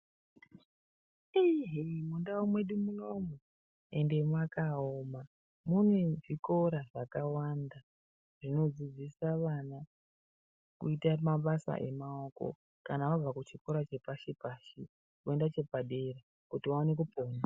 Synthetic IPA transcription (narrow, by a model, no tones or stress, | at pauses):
iɦimundawomwe̞ɗimuno̞mu | e̞nde̞mwakaoːma | munweʐiko̞ɾaʐakawanda | ʐ̥ino̞d͡zid͡zisaʋana | kṵitamaɓasa̰ʔe̞mao̞ko̰ | kanaʋab͡vakut͡ʃiko̞ɾat͡ʃe̞paʃepaːʃi | kuendat͡ʃe̞paɗe̞ɾa | kutiwaone̞k̬upena